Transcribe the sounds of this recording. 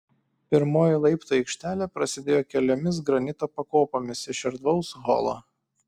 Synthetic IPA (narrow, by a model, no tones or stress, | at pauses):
pʲɪɾmoːjilˠɐɪpt̪oːɛɪkʃʲt̪ʲæːlʲɛpɾɐsʲɪd̪ʲeːjoːkʲɛlʲoːmʲɪs̬ɡɾɐnʲɪt̪oːpɐkoːpoːmʲɪsɪʃʲɪɾd̪ʋɐʊsɣɔ̰lˠo̰